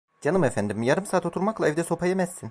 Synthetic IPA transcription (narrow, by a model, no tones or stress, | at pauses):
d͡ʒanɯmefænd̪imjaɾɯmsaːt̪ʰo̞t̪ʰuɾmaklˠaɛvd̪ɛso̞pʰajemɛsːin